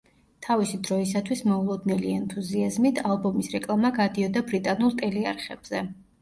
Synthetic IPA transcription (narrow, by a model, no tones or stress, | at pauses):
t̪ʰavisid̪ɾɔisat̪ʰwismɔulˠɔd̪nɛliɛnt̪ʰuziazmit̪ʰalˠbɔmisɾɛkʼlˠamaɡad̪iɔd̪abɾit̪ʼanulˠt̪ʼɛliaɾχɛb̥z̥ɛ